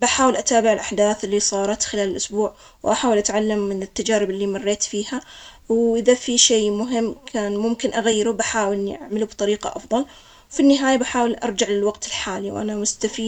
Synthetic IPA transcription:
baħaːwɪlʔat̪aːbɪʕɪlʔaħd̪aːθɪlːisˤɑːɾˤɑt̪xɪlaːlɪlʔʊsbuːʕ | wʔaħaːwɪlʔat̪ʕalːamːɪnɪt̪ːad͡ʒaːɾɪbɪlːimɑrːeːt̪fiːhawʔɪðafiʃeːmʊɦɪmːkʰaːnmʊmkɪnʔaɣajːɪɾubaħaːwɪlʔɪnːiʔa̰ʕmɪlubt̪ˤɑɾiːqɑ̰ʔɑ̰fðˤɑl | wfinːɪɦaːjabaħaːwɪlʔɑ̰ɾˤd͡ʒaʕlɪlwaɡt̪ɪlħaːliwʔa̰namʊst̪afiː

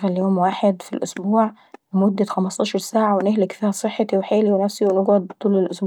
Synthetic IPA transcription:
ɣæljoːmwaːħed̪fḭlʔo̰sbuːʕ | wemod̪ːæxæmɑst̪ˤɑːʃɑɾˤsaːʕawenehlekfiːhæsˤeħːɑt̪iweħeːliwenæfsiwenoɡɑd̪̚bet̪ˤːuːlelʔosb

